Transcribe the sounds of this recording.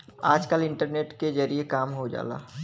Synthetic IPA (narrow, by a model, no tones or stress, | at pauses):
aːd͡ʒkəlɪ̃ɳʈəɾneːʈked͡ʒəɾiekaːmɦod͡ʒa̰ːla̰ː